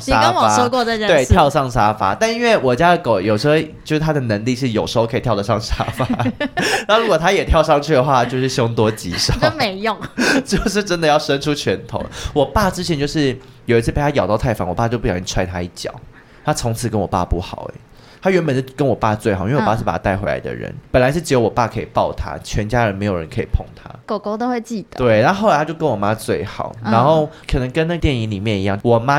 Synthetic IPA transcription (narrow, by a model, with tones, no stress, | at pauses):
ʂa˥wɔ˨aʂɔ˥kwɔ˥˩də˨˩˦we˥˩ɪt̪ʰjɑ˥˧ʊʂɑ˥˩ŋʂa˥fa̰˧˥t̪a˥˧ni˥nwe˥˩ɪwɔ˨˩t͡ɕja˦˥ə˨ko˨˩ʊjo˨˩ʊʂɻ̩˧˥xo˥˧ʊt͡ɕjo˥˧ʊʂ̩˥˩t̪ʰa˥d̪ə˨nə˧˥ŋli˥˧ʂɻ̩˥˩jo˨˩ʊʂɻ̩˧˥o˥˧ʊkʰə˥˨t̪ʰjʊd̪ə˨ʂɑ˥˩ŋʂa˥fa˧˩˥n˥˧˥ɻu˧˥kwɔ˨˩t̪ʰa˥jɛ˨˩t̪ʰjɑ˥˧ʊʂɑ˥˧ŋt͡ɕʰy˥˩d̪ə˩xwa˥˧˩t͡ɕjo˥˧ʊʂɻ̩˥˩ɕo˥ŋt̪wɔ˥t͡ɕi˧˥ʂɑ˥me˧˥ɪjʊ˥˩ŋt͡ɕjo˥˧ʊʂ̬ɻ̩˥˩ʈ͡ʂə˥nd̪ə˨˦jɑ˥˩ʊʂə˥nʈ͡ʂʰu˥t͡ɕʰɥɛ˧˦˥nt̪ʰo̰˨˦wɔ˨˩pa˥˩ʈ͡ʂɻ̩˥t͡ɕʰjɛ˧˦nt͡ɕjo˥˧ʊʂɻ̩˥˩ | jo˨ʊi˧˥t͡s̩ʰ˥˩pe˥˩t̪a˥jɑ˨ʊt̪ɑ˥˧ʊt̪ʰa˥˩ɪfɑ̰˧˥˦ŋwɔ˨˩pa˥˧t͡ɕo˥˧ʊpu˥˩jɑ˨˩i˥˩˥t͡sʰwa˥˧ɪt̪ʰa˥i˥˩t͡ɕjɑ̰˨˩˦ʊ | t̪ʰa˥t͡sʰo˧˥ŋt͡s̩ʰ˨˩kə˧˥nwɔ˨˩pa̰˥˧pu˥˩xɑ˨˩ʊɛ̰˦ | t̪ʰa˥ɥɛ˧˥npə˨˩nə˥˩kə˦nwɔ˨˩pa˥˧t͡swe˥˩ɪxi˥˧wʂɻ̩˥˩pa˨˩a˥t̪ɪxwe˧˥ɪla̰˧ɪd̪ə̰˩ɻə̰˧˦npə˨˩la˧ɪʂɻ̩˥˩ʈ͡ʂɻ̩˧˥jo˧˥wɔ˨˩pa˥˩kʰɤ˧˥ḭ˨˩pɑ˥˨ʊt̪ʰa̰˥t͡ɕʰɥɛ˧˥nt͡ɕja˥ɻə˧˦nme˧˥ɪjo˨˩ɻə̰˧˦nkʰḭ˨˩pʰo˥˩ŋt̪ʰa̰˥ko˨˩ko˥ʊt̪o˥ʊxwe˥˧ɪt͡ɕi˥˩d̪̥ə˩t̪we˥˩ɪna˧˥o˥˩lɪtʰa˥t͡ɕjo˥˩ʊkə˦nwɔ˨˩ma˦˥t͡swe˥˩ɪxɑ̰˨˩˦ʊna˧˥nxo˥˩ʊkʰɤ˨˩nə˧˦ŋkə˦na˥˧ə˧t̪jɛ˥˩ni˧ŋli˨˩mjɛ˥˩ni˧˦jɑ̰˥˩ŋwɔ˨˩ma˦